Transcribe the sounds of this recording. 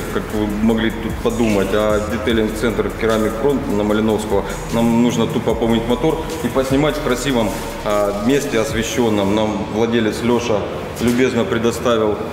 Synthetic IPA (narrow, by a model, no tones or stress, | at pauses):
kakvɨmɐɡlʲit̪ut̪̚pɐd̪umətʲɐdʲɪt̪elʲɪnt̪sɛnt̪rkʲɪɾamʲɪkfɾonnəməlʲɪno̞fskəvə | namnuʐnət̪upɐpomnʲɪtʲmɐt̪o̞r | ipəsʲnʲɪmatʲfkɾɐsʲivəm | mʲesʲtʲɪɐsvʲɪɕːo̞nːəmnamvlˠɐdʲelʲɪt̪slʲoʂə | lʲʊbʲe̞znəpɾʲɪd̪ɐst̪avʲɪlˠ